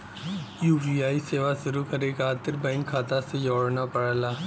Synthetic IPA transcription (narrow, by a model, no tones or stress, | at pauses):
juːbiaːiseːʋaʃʊɾukɐɾekaːt̪ɪɾbɛ̃ːŋkʰaːt̪asejɔːɽnapɐɽlaː